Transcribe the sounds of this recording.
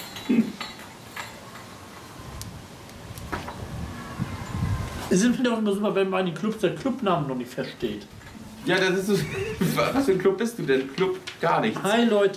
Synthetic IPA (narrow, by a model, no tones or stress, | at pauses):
ʔɪs̬ɪmɛndʊχɪmɐzuːpɐvɛnmanɪndenkʰlʊpsd̥aːkʰlʊpnaːmənːɔχnɪçtfɛɐʃteːt | jaːdasɪsovavasføːnklʊp̚b̥ɪst̚d̥uːdɛnkʰlʊpɡ̥aːɐnɪçhaɪlɔʏt